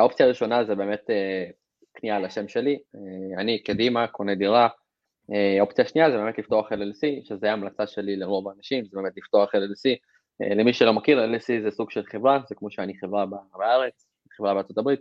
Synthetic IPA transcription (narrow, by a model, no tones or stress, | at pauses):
ao̞pt͡siaːʁiʃo̞nazebe̞ːmet̪e | knialaʃe̞mʃe̞lianikad̪imakoned̪iʁa | eopt͡siaʃniazebemetlift̪o̞aχelelsiʃezeajaːmlat͡saʃe̞lileʁovanaʃimzebemetlift̪oaχelelsi | ḛlemiʃelo̞makiʁelsizesuɡ̥ʃe̞lχe̞vʁazekmo̞ʃeaniχevʁababeaʁet͡s | eχevʁabeaʁt͡sotabʁit̪̚